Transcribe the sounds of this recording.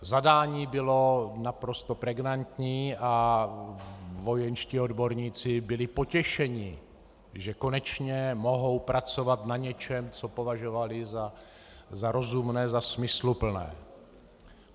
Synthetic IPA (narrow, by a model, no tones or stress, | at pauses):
zadaːɲiːbɪlo̞napɾo̞st̪o̞pɾɛɡnant̪ɲiːa | vo̞jɛnʃciːo̞dbo̞ɾɲiːt͡sɪbɪlɪpo̞cɛʃɛɲɪ | ʒɛko̞nɛt͡ʃɲɛmo̞ɦo̞wpɾat͡so̞vat̪naɲɛt͡ʃɛmt͡so̞po̞vaʒovalɪza | zaɾo̞zumnɛːzasmɪslupl̩nɛ̰ː